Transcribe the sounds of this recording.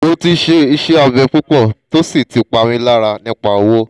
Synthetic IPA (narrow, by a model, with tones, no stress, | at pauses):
o˧ti˧ʃe˧i˧ʃe˦a˧vɛ˧k͡pu˦k͡pɔ˦˨to˦si˦˨ti˨k͡pa˧ɾ̃ĩ˧˦la˦ɾa˧nĩ˦k͡pa˦˨o˧wo˦